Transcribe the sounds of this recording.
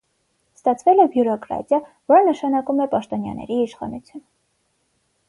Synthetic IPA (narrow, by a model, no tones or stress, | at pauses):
st̪ɑt͡sʰvɛlɛbjuɾɔkɾɑ̰t̪jɑ | vɔɾənəʃɑnɑkumɛpɑʃt̪ɔnjɑ̰nɛ̰ɾiiʃχɑ̰nut͡sʰjun